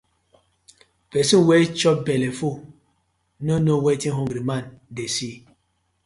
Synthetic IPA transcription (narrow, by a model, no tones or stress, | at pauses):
vɛsiwɛt͡ʃɔbɛlɛfo | nənowɛtiɦɔŋɡɾimandɛsi